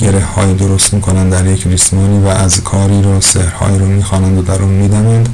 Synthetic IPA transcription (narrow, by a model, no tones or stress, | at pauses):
ɡɟe̞ɾe̞hhɒ̰ːjid̪oɾost̪miːkʰo̞nænd̪æɾjecʰlismɒːniːvæʔːzkʰɒːɾiːɾosehɾhɒ̰ːjiːɾomiːxɒːnænd̪od̪æɾuːnmiːd̪ænænd̪